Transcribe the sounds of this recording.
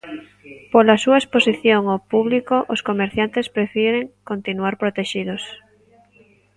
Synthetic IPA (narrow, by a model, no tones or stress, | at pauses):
polasuaesposiθjoŋopuβlikoʔoskomeɾθjant̪espɾefiɾeŋkont̪inuaɾpɾot̪eʃiðos